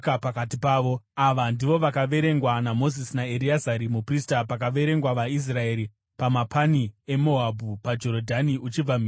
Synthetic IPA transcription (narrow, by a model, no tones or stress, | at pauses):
kapakatipaːʋo̞aʋandiʋo̞ʋakaʋe̞ɾe̞ŋɡwanamo̞zisinae̞ɾiazaɾimupristapak̬aʋe̞ɾe̞ŋɡwaʋais̬rae̞ːɾi | pamapʰanie̞mo̞abʱupad͡ʒo̞ɾodʱaniʔut͡ʃib͡vami